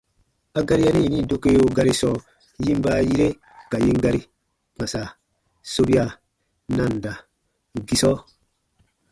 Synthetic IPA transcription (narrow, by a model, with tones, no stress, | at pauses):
a˦ɡa˦ɾi˦ja˦ni˦˨ni˦do˦ke˦o˦ɡa˦ɾi˦sɔː˦ | ji˦m˦ba˦ji˦ɾe˦ | ka˨ji˦ŋɡa˦ɾi˦ | ma˨sa˨ | so˦bi˦a˨ | nã˦˨nda˨ | ɡi˦sɔ˦